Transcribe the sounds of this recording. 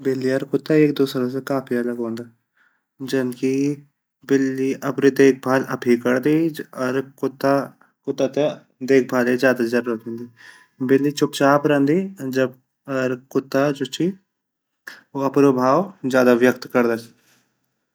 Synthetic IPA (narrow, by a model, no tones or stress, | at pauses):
bɪlːiəɾkʊt̪ːaeːk̚d̪oːsəɾas̬ekaːpʰiələɡõːnd̪aː | d͡ʒənki | bɪlːiʔɐpnid̪eːk̚ʰbʱaːlɐpʰikəɾd̪iːɔɾkʊt̪ːa | kʊt̪ːat̪e | d̪eːk̚ʰbʱaːled͡ʒjaːd̪ad͡ʒəɾɾoːt̪ẽːnd̪iː | bɪlːit͡ʃʊp̚t͡ʃaːpɾə̃nd̪iːd͡ʒəb̚ | ɔɾkʊt̪ːad͡ʒot͡ʃʰi | oɐpnobʱaːwd͡ʒjaːd̪aʋjəkt̪kəɾd̪aːt͡ʃ